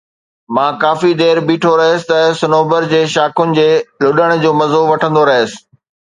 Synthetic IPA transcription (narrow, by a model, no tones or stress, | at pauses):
mãːkaːfid̪eːɾbiːʈʰoɾɐɦəsɪ̥̆t̪ɐsʊnoːbəɾd͡ʑeːʃaːkʊnɪ̆d͡ʑeːlʊɗəɽ̃d͡ʑoːmɐzoʋɐʈʰə̃nd̪oɾɐɦəsɪ̥̆